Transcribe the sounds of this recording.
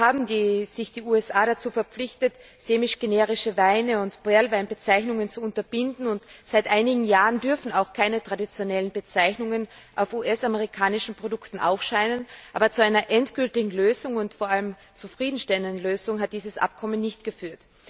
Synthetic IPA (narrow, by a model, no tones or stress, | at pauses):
haːbm̩diːz̥ɪçd̥iːuːɛsʔaːɾat͡suːfɛɐp͡flɪçtət | z̥eːmɪʃɡ̥eneːʁɪʃəvaɪnəʊntb̥ʁɛɐlvaɪnbət͡saɪçnʊŋənt͡suʊntɐb̥ɪndn̩ʊntz̥aɪtʔaɪnɪɡŋ̩jaːʁəndʏɐfn̩aʊxkʰaɪnətʁ̥adit͡sjonɛlənbət͡saɪçnʊŋənʔaʊfuːʔɛsaməʁɪkʰaːnɪʃn̩pʁ̥odʊktn̩ʔa̰ʊfʃaɪnənʔaːbɐt͡suaɪnɐʔɛntɡ̥ʏltɪɡŋ̩løːzʊŋʊntfoːɐʔaləm | t͡sufʁ̥iːdn̩ʃtɛləndn̩løːzʊŋɦat̚d̥iːzəsʔa̰p̚kʰɔmənːɪçtɡ̥əfyːɐt